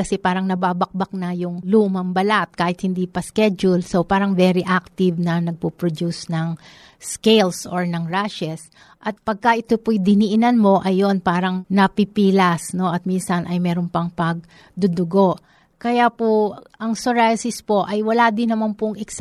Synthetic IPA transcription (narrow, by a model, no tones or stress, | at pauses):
kɐsɛpaːɾɐŋnɐbaːbɐk̚bɐk̚nɐjʊŋlumɐmbɐlaʔɐt̪̚kaːhɪt̪̚hɪnd̪iːpɐskɛd͡ʒʊlso̞paːɾɐŋvɛɾiʔak̚t̪ɪvnɐnɐɡ̚pupɾod̪usnɐŋ | skɛjlsoɹnɐŋɹaʃɛs | ʔɐt̪̚pɐɡ̚kɐʔɪt̪opojd̪ɪniʔɪnanmo̞ʔɐjːo̞npaːɾɐŋnɐpipiːlɐsno̞ʔɐt̪̚minsɐnʔɐjmɛːɾonpɐŋpɐɡ̚ | d̪ʊd̪ʊɡo̞ʔ | kɐjapoʔɐŋsoɹajsɪspo̞ʔɐjwɐlaːd̪ɪnːɐmanpʊŋɪks